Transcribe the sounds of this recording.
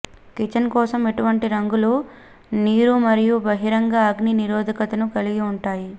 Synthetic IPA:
kit͡ʃɐnkɔːsɐme̞ʈuʋɐɳʈiɾɐŋɡulu | niːɾumɐɾijubɐɦiɾɐŋɡaɐɡniniɾoːd̪ʱɐkɐt̪ɐnukɐliɡiuɳʈaːji

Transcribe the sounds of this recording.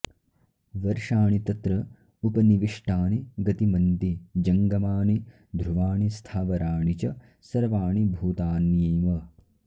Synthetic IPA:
ʋɐɾʂaːɳit̪ɐt̪ɾɐ | upɐniʋiʂʈaːniɡɐt̪imɐnt̪id͡ʒɐŋɡɐmaːni | d̪ʱɾuʋaːɳist̪ʰaːʋɐɾaːɳit͡ʃɐ | sɐɾʋaːɳibʱuːt̪aːnjeːmɐ

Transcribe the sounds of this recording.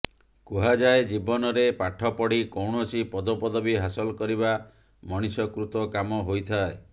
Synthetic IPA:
kuɦad͡ʒaed͡ʒibɔnɔɾepaʈʰɔpɔɽikowɳɔsipɔd̪ɔpɔd̪ɔbiɦasɔlkɔɾiba | mɔɽ̃isɔkɾut̪ɔkamɔɦojt̪ʰae

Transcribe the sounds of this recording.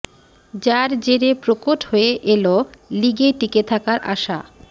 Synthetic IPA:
d͡ʑaɾd͡ʑeɾepɾokoʈɦoeʔeloliɡeʈiket̪ʰakaɾʔa̰ʃa̰

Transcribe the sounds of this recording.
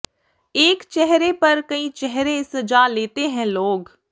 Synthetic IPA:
eːkt͡ʃɛɦɾepɐɾkɐĩːt͡ʃɛɦɾesəd͡ʒaːleːt̪eɦɛ̃loːɡ

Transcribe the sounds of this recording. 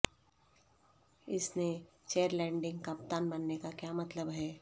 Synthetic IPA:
ɪsne | t͡ʃeːəɾlɛ̃ːɳɖɪ̃ŋɡkapt̪aːnbɐnːekakjaːmɐt̪ləbɦɛː

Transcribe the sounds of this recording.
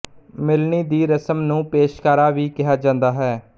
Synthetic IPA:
mɪlɳiːd̪iːɾəsəmnũːpeːʃkaːɾaːʋiːkɪɦaːd͡ʒãːnd̪aːɦɛː

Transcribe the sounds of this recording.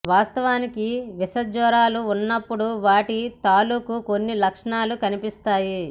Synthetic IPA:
ʋaːst̪ɐʋaːnikiʋisɐd͡ʒɔːɾaːluːnːɐpːuɽuʋaːʈit̪aːluːkuko̞nːilɐkʂɐɳaːlukɐnipist̪aːji

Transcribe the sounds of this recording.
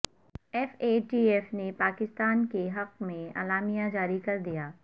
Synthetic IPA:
ɛːfeːɖiːɛːfnepaːkɪst̪aːnkeɦɐqmẽa̰ːlaːmijãd͡ʒaːɾikɐɾd̪ijaː

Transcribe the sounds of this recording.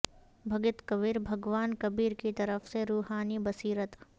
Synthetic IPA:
bʱɐɡɪt̪kɐʋɪɾbʱɐɡʋaːnkɐbiːɾkit̪ɐɾəfseɾuːɦaːnibɐsiːɾət̪

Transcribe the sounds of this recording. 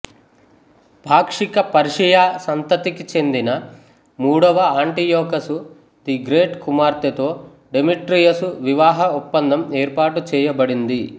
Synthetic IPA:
bʱaːkʂikɐpɐɾiʂijaːsɐnt̪ɐt̪ikit͡ʃe̞nd̪inɐ | muːɽɐʋɐaːɳʈijɔːkɐsu | t̪iɡɾeːʈkumaːɾt̪ɐt̪o̞ː | ɖemiʈɾijɐsuʋiʋaːɦɐupːɐnd̪ɐmeːɾpaːʈut͡ʃɛːjɐbɐɽind̪i

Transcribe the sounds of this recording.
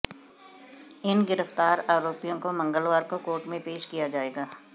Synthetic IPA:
ɪnɡɪɾəft̪aːɾaːɾoːpijõkomɐ̃ŋɡəlʋaːɾkokoːɾʈmẽpeːʃkijad͡ʒaːeːɡaː

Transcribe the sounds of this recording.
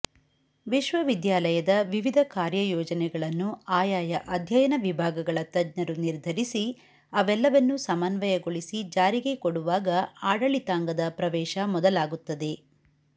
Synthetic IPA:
ʋiʃʋɐʋid̪jaːlɐjɐd̪ɐʋiʋid̪ʱɐkaːɾjɐjɔːd͡ʒɐnɛɡɐɭɐnːuaːjaːjɐʔɐd̪ʱjɐjɐnɐʋibʱaːɡɐɡɐɭɐt̪ɐd̪ɲɐɾuniɾd̪ʱɐɾisi | ɐʋɛlːɐʋɐnːusɐmaːnʋɐjɐɡoɭisid͡ʒaːɾiɡe̞koɽuʋaːɡɐaːɽɐɭit̪aːŋɡɐd̪ɐpɾɐʋɛːʃɐmɔd̪ɐlaːɡut̪ːɐd̪e̞

